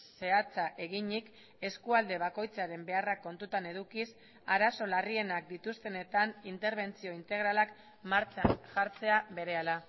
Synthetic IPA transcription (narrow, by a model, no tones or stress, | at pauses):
se̞at͡saʔe̞ɣiɲik | e̞skuald̪e̞β̞ako̞jt͡saɾe̞mbe̞arakːo̞nt̪ut̪ane̞ðukis | aɾaso̞larie̞nak̚d̪it̪ust̪e̞ne̞t̪anint̪e̞ɾβ̞e̞nt͡sio̞int̪e̞ɣ̞ɾalak | maɾt͡seanʝaɾt͡se̞aβe̞ɾe̞ala